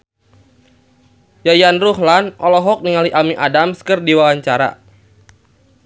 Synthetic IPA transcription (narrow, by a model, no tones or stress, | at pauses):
jajanruɦlanʔɔlɔɦɔk̚niŋaliʔamiʔadamskərdiwawaɲt͡ʃaɾa̰